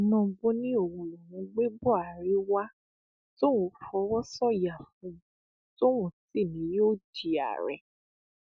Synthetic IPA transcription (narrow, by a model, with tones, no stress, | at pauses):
nɔ̃˧ɡ͡bo˦nĩ˦o˦˨wũ˧lɔ˨wũ˨˧˦ɡ͡be˦bɔ˦˨a˨ɾi˨˦wa˦ | to˦wũ˧˦fɔ˧˦wɔ˦sɔ˦˨ja˨fũ˨˧ | to˦wũ˨ti˦˨nĩ˨˦joː˦˨di˨a̰˨ɾɛ̰˨